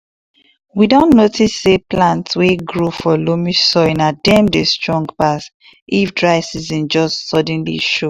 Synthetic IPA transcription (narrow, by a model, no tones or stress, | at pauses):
widõnnotʰisːeplãntsweɡɹofɔlomisɔɪ̃nadɛ̃mdestɹɔ̃ŋɡpas | ʔifdɹaɪsizɛ̃nd͡ʒɔstsɔd̃nlḭʃo